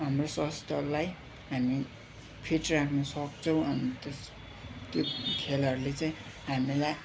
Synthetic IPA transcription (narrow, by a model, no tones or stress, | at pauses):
ɦamrosʌst̪ʌlaj | ɦami | pʰiʈrakʰnʌsʌkt͡sʰʌw̃ʌnt̪os | t̪jokʰelʌɾulet͡saj̃ | ɦamilaj